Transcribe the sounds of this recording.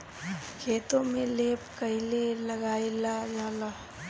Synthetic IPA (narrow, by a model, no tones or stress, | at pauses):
kʰeːt̪õmẽleːpkəɪleləɡaːilad͡ʒaːla